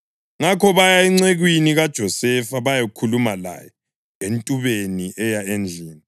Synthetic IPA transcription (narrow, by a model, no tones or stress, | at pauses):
ŋakʰɔβajaɛŋ͡ǀeɣwiniɣad̥ʒ̥ʱɔsɛfaβajekʰulumala̰jɔ | entʼuβeniʔɛjaend͡ɮʱiːni